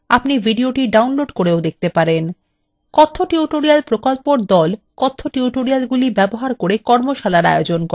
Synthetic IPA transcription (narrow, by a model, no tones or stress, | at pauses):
a̰pnibʱiɖioʈiɖawnloɖkoɾeod̪ek̚t̪epaɾen | kɔt̪ʰːoʈiuʈoɾialpɾokolpoɾd̪ɔlkɔt̪ʰːoʈiuʈoɾialɡulibɛboɦaɾkoɾekɔɾmoʃalaɾa̰jod͡ʑonkɔ